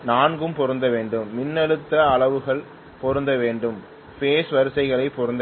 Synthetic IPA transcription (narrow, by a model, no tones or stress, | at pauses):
naːnɡɯmpɔɾɯnd̪ɐʋeːɳɖɯmːɪnːɐɽɯt̪ːɐːɭɐʋɯɣɐɭ | pɔɾɯnd̪ɐʋeːɳɖɯm | feːsʋɐɾɯsɐɪɣɐɭɐɪpːɔɾɯnd̪ɐ